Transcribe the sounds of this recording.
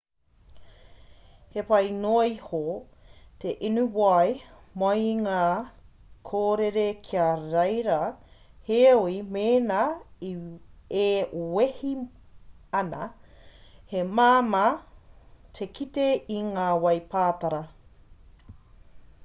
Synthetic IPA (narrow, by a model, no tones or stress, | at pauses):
hepɐjnoːiho | t̪ʰeʔinuwɐj | mɐjŋaː | kʰoːɾeɾekʰiɐɾɐjɾɐheoimeːnaiewehi | ɐnɐ̰ | hemaːma | tʰekiteiŋaːwɐjpʰaːtaɾɐ